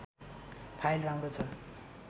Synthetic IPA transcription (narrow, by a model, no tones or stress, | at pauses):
pʰajlramrot͡sʰʌ